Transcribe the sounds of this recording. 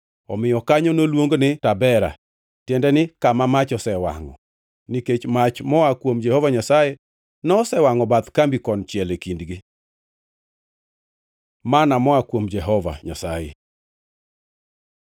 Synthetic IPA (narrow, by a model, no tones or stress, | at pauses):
ɔmɪjɔkaɲɔnolwoŋɡonɪtabɛɾa̰ | tjɛndɛnɪkamamat͡ʃɔsɛwa̰ŋɔ̰ | niket͡ʃmat͡ʃmɔakwomd͡ʒɛhovaɲasaje | nɔːsɛwaŋɔbat̪kambikɔnt͡ʃjɛlekindɡɪ | manamɔakwomd͡ʒɛɦɔva̰ɲa̰sajḛ